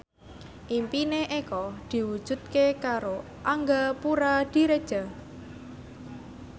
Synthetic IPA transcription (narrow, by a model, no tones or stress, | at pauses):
ʔimpineʔekɔd̪̥i̤wud̥ʒ̥ṳd̪̚kekaɾo | ʔaŋɡapuɾad̪̥i̤ɾed̥ʒ̥a̤